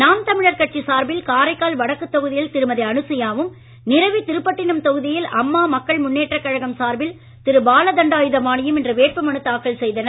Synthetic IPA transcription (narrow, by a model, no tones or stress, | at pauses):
naːmt̪ɐmɪɻɐɾkɐʈ̚t͡ʃisaːɾbɪlkaːɾɐɪkːaːlʋɐɽɐkːɯt̪ːɐɣɯðɪjɪlt̪ɪɾɯmɐðɪɐɳɯsɐjaːʋɯm | nɪɾɐʋit̪ɪɾɯpːɐʈːɪnɯmt̪ɐɣɯðɪjɪlɐmːaːmɐkːɐɭmʊnːeːʈrɐkːɐɻɐɣɐmsaːɾbɪl | t̪ɪɾɯbaːlɐd̪ɐɳɖaːjɯðɐmaːɳɪjɯmɛndrɐʋeːʈ̚pɐmɐɳɯt̪ːaːkːɐɭsɛjðɐnɐ